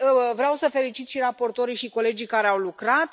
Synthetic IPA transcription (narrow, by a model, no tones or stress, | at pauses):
vɾeawsəfe̞lit͡ʃit̪ʃiɾapo̞rt̪o̞ɾiʃiko̞le̞d͡ʒijkaɾeawlukɾat̪